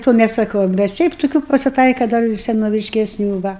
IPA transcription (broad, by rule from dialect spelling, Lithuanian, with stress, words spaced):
toː nʲɛsɐˈkɐʊ bʲɛt ˈʃʲɛɪp toːˈkʲuː pɐsʲɪˈtɐɪkɐ ˈdɐr ɪr sʲɛnoːʋʲɪʃʲkʲɛˈsʲnʲuː ˈʋɐ